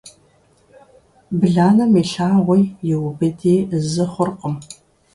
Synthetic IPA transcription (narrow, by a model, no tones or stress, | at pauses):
bɨɮaːnɐmiːɬaːʁʷʊjjɪwʊbɨdiːzɨχʷʊrqəm